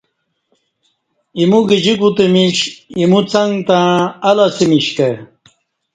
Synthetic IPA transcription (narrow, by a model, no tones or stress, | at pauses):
imuɡid͡ʑikut̪emiɕimut͡sɐŋɡt̪ãːlasimiɕke